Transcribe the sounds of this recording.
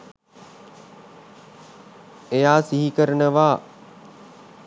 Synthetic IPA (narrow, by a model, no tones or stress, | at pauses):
ejaːsiɦikəɾənəʋaː